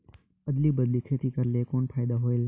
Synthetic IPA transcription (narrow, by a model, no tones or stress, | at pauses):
əd̪liːbəd̪likʰeːt̪iːkəɾleːkoːnfʰaːɪd̪aɦoːel